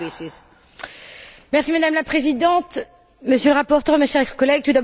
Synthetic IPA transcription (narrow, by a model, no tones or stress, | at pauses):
mɛʁsimad̪amlapχezid̪ɑ̃t̪ | məsjøləʁapɔʁt̪œʁmeʃɛʁʁkɔlɛɡ̚t̪ud̪ab